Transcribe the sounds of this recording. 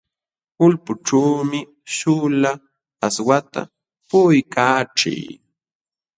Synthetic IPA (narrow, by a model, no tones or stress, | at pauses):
kʊlpʊʈ͡ʂaːmɪ | ʃʊla | aswat̪a̰ | pʊjkaːʈ͡ʂɪ̰j